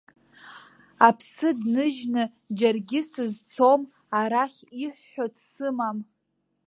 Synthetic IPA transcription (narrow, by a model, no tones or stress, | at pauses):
apʰsɨdnɨʒnɨ | d͡ʒarɡʲɪsɨzt͡sʰo̞m | aɾaχʲiħːotʰsɨmam